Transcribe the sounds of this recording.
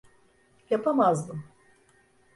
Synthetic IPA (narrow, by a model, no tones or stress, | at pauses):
japamazbɯ